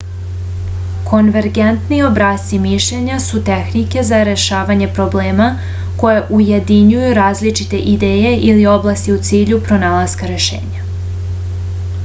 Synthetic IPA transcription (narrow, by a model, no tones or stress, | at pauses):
kʰo̞nʋe̞ɾɡent̪nio̞bɾast̪imiʃʎe̞ɲasut̪exnike̞zaɾe̞ʃaːʋaɲe̞pɾo̞ble̞ːma | ko̞jeʔuje̞d̪iɲujuɾaːzlit͡ʃit̪e̞ʔid̪eːje̞ʔilio̞blˠast̪iut̪siːʎupɾo̞naːlˠazkaɾe̞ʃḛːɲa